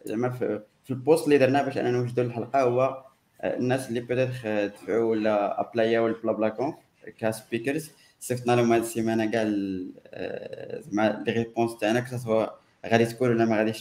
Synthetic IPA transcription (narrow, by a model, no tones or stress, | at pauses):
mæf | filpost̪lːid̪əɾˤnæbæʃʔæ̰nænwəʒd̪uləlħalqɑhʊwːæ | nːæsəlːibət̪æt̪χt̪əfʕulːææplæjæwəlblɑblækõ | kæspikəɾz | seft̪nælumæd̪simænæɡæl | mælʁepõst̪aʕnæksɑt̪hwæ | ɣæd̪it̪kunwəlːæmæɣæd̪iʃ